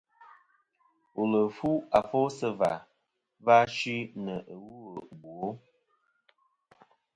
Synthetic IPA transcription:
o˨lə˨fu˦a˨fo˦sə˦va˨ | va˦ʃi˦nə˨ʔə˨wu˦ə˨bwo˦

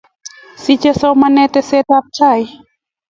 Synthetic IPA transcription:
si˧t͡ɕa˧so˧˦ma˧nɛ˧t̪ɛ˧˨se˧t̪̚a˧p̚t͡ɕʰa˧˩˨j

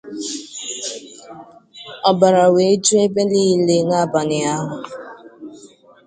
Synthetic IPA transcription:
ɔ˨ba˨ɾa˨we˨e˦d͡ʒu˦e˦be˦liː˦i˨le˨˦ŋa˦˨ba˨nɪ˨a˦ɦʊ˨

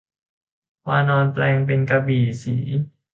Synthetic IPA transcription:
waː˧nɔː˧nplɛː˧ŋpe˧nka˧biː˨˩sḭː˩˦

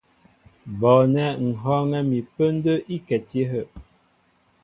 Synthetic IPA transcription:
bɔ˨nɛ˦ŋ̩˨ɦɔ˦ŋɛ˦mi˨pə˦n̩˦də˦ʔi˦kɛ˨te˦ɦə˦˨ʔ

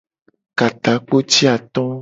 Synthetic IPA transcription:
ka˨t̪a˨˦k͡po˦t͡ʃi˦a˨t̪ɔ̃˦

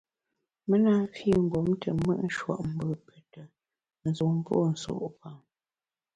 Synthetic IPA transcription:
mə˦na˦fi˦˨ŋ̩˨ɡɔ˨˦mtʰə˨mə̰˦ʔn̩˦ʃwa̰˨ʔm̩˨˦bə˨pʰɛ˨tə˨ | n̩˨zu˨ŋm˦po̰˦˨n̩˨so̰˨ʔpa˨

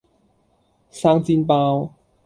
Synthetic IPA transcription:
saː˧˥ŋt͡si˧npaː˧w

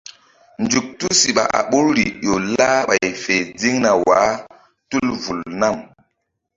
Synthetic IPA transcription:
nd͡ʒu˨k̚tu˦si˨ɓa̰˨ʔa̰˨ɓu˦ɾɾi˨jo˨la˦ɓa˨jfe˨d͡zi˦ŋna˨wa˨˦ | tu˦lvu˨lna˦˨m

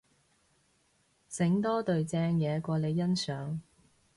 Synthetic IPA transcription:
sɪ˨˥ŋt̪ɔː˥t̪ɵ˨ɥt͡sɛː˧ŋjɛː˨˧kʷɔː˧le˨˧jːɐ˥nsœː˨˥ŋ

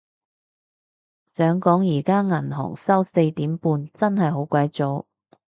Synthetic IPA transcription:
sœː˨˥ŋkɔː˨˥ŋjiː˨˩kaː˥ŋɐ˨˩nɦɔ̰ː˨˩ŋsɐ˥wse˧jt̪iː˨˥mpuː˧nt͡sɐ˥nhɐ˨jɦo˨˥wkʷɐ˧˥jt͡so˨˧˥w

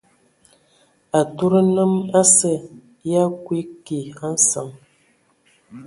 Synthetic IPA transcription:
a˨tu˦ɾə˦nə˦ma˦sə˦ | ja˦kwi˦ki˨a˦n̩˦sa˨ŋ

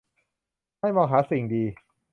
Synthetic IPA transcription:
ma˥˩jmɔː˧ŋɦaː˩˦˥si˨˩ŋdiː˧

